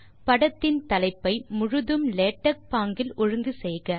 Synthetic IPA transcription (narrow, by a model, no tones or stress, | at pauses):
pɐɽɐt̪ːɪnt̪ɐlɐɪpːɐɪmʊɻʊðɯmleːʈːɐk̚paːŋɡɪlʔɔɻɯŋɡɯsɛjɣɐ